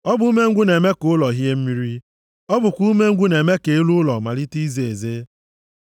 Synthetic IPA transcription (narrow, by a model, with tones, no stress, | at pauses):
ɔ˦bʊ˨u˦me˦ŋ̩˦ɡʷu˦ne˨me˦kʊ˦lɔ˨ɦi˦e˦m̩˦mi˦ɾi˦ | ɔ˦bʊ˨kʷu˦me˦ŋ̩˦ɡʷu˦ne˨me˦ke˨e˦lu˦lɔ˨ma˨li˦ti˦ze˨e˨ze˦